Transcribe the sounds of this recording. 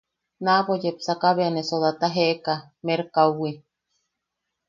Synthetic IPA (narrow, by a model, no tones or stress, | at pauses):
naβojepsakaβeanesoðat̪aɦeʔka | meɾkauwi